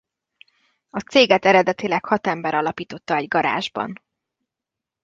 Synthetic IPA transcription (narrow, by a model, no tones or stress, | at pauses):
ɒt̪seːɡɛt̪ɛɾɛd̪ɛt̪ilɛkhɒt̪ɛmbɛɾɒlɒpiːt̪o̞t̪ːɒɛɟɡɒɾa̰ːʒbɒ̰n